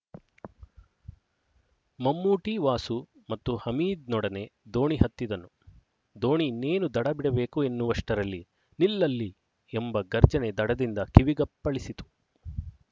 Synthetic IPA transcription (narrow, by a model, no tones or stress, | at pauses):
mɐmːuːʈiʋaːsu | mɐt̪ːuhɐmiːd̪̚nɔɽɐne̞d̪o̞ːɳiɦɐt̪ːid̪ɐnːu | d̪o̞ːɳineːnud̪ɐɽɐbiɽɐbe̞ːkue̞nːuʋɐʂʈɐɾɐlːi | nilːɐlːi | embɐɡɐɾd͡ʒɐne̞d̪ɐɽɐd̪ind̪ɐkiʋiɡɐpːɐɭisit̪u̥